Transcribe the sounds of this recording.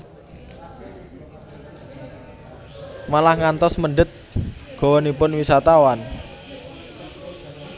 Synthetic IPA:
malahŋant̪ɔsməɳɖət̪̚ɡ̥o̤wɔnipʊnwisat̪awan

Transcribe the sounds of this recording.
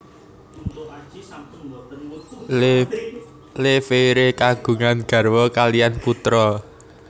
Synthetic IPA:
lefeɾekaɡ̥ṳŋanɡ̥ä̤rwɔkalijanput̪ɾɔ

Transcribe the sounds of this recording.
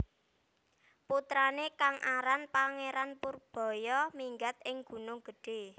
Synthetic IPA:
put̪ɾanekaŋʔaɾanpaŋeɾanpʊrb̥ɔ̤jɔmiŋɡat̪̚ɪŋɡ̥ṳnʊŋɡ̥əɖ̥e̤

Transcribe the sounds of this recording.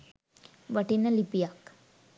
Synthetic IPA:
ʋəʈinːəlipijak

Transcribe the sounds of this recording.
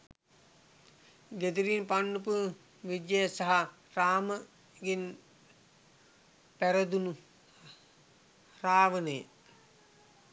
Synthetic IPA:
ɡed̪iɾiːnpanːupu | ʋid̪jejsaɦa | raːmə | ɡen | pæɾəd̪unu | raːʋənej

